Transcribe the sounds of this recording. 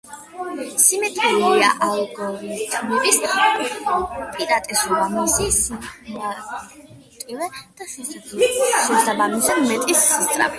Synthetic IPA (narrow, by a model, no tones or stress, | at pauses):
simɛt̪ʼɾiliaʔalˠɡɔɾitt̪ʰmɛbis | pʼiɾat̪ʼɛsuamisisa | t̪ʼilɛd̪̥asisʼuʃɛsabamisamɛt̪ʼisːist̪ʼɾa̰pʰi̥